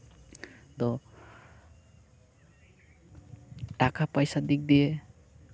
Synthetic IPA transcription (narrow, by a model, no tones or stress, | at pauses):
d̪ɔ | ʈakʰapajsad̪ik̚d̪ije